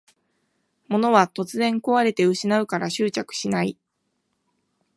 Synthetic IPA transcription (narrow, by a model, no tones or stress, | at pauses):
mo̞no̞β̞at̪o̞t͡sɨzẽ̞ŋko̞βaɾe̞t̪eɯ̟ɕinaɯ̟kaɾaɕɨːt͡ɕakɯ̟̥ɕinai